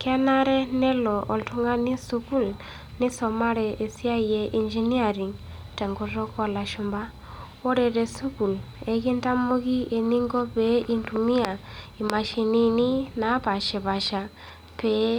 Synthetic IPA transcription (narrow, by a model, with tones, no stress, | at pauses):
ka˦na˦ɾɛ˦nɛ˦lɔ˨ʔɔ˨ltu˦ŋa˦ni˦su˦ku˦˨l | nɪ˦sɔ˨ma˦ɾɛ˨ʔe˨si˦a˦jɛ˨ʔi˨nd͡ʒi˦ni˦a˨ɾi˨ŋ | tɛ˨ŋɡɔ˦ɾɔ˦kɔ˨la˨ʃʊ˦mba˦ | wo˦ɾɛ˨ɾɛ˨su˦ku˨l | ɛ˨ki˦nta˦mo˦ki˦e˨ni˦ŋɡɔ˦pɛ˦ʔi˦ntu˨mi˦a˨i˨ma˨ʃi˨ni˦ni˦na˨˦pa˨ʃɛ˨ba˨ʃa˨ | pɛ˦